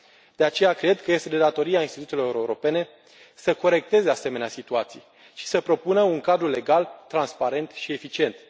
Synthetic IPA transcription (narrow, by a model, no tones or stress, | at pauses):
d̪̥e̞at͡ʃe̞jakɾe̞d̪kəje̞st̪e̞d̪e̞d̪at̪o̞ɾiainst̪it̪ut̪elo̞ɾeuɾe̞uɾo̞pe̞ne̞ | səko̞ɾe̞k̚t̪e̞ze̞ase̞me̞neasit̪uat̪sḭj | ʃi̥səpɾo̞punəuŋkad̪ɾule̞ɡalt̪ɾanspaɾe̞nt̪ʃie̞fit͡ʃie̞nt̪